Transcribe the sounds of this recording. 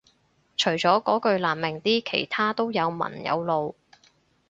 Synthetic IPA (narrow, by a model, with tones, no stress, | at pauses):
t͡ʃʰɵ˨˩ɥt͡ʃɔː˨˥kɔː˨˥kɵ˧ɥlaː˨˩nmɪ˨˩ŋt̪iː˥kʰḛ˨˩jt̪ʰaː˥t̪o˥wjɐ˨˧wmɐ̰˨˩njɐ̰˨˧wlo˨w